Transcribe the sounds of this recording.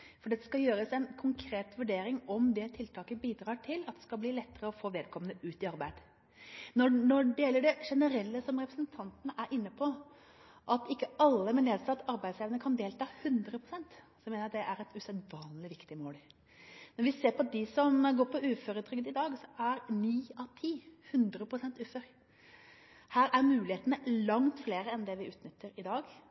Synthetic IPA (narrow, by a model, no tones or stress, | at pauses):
fɔɖɛt̪ːə̥skɑljøːɾəsɛnkʰʊŋkʰɾeːt̪ʋʉɖeːɾɪŋɔmd̪ɛt̪ʰɪlt̪ʰɑːkəbiːd̪ɾɑːʈʰɪlɑt̪̚d̪ɛskɑlbliːlɛt̪ːəɾəɔfoːʋeːd̪̚kʰɔmənəʉːt̪ɪɑɾbæɪd̪ | nɔnɔɖɛjɛlːəɖɛʂɛnəɾɛlːəsɔmɾɛpɾəsnt̪ʰɑnt̪ənəʔæɾʔɪnːəpʰɔ | ʔɑt̪ɪkːəɑlːəmɛneːd̪sɑːt̪ɑɾbæɪd̪seːʋənəkʰɑnd̪eːlt̪ʰɑːhʉnd̪ɾəpʰɾʊsɛnt̪ | sɔmeːnəɾɑt̪̚d̪ɛʔæɾɛt̪ʉsɛd̪ʋɑːnlɪʋɪkt̪ɪmoːl | mɛnʋɪseːɾpɔd̪ɪsɔmɡoːɾpʰɔʉːføːɾət̪ʰɾʏkd̪ɪd̪ɑːɡsɔʔæɾniːɑʋt̪ʰiːhʉnd̪ɾəpʰɾʊsɛnt̪ʉːfœɾ | hæːɾæɾmʉːlɪheːt̪ənəlɑŋt̪fleːɾəɛnd̪ɛʋɪʉːt̪nʏt̪ːəɾɪd̪ɑːɡ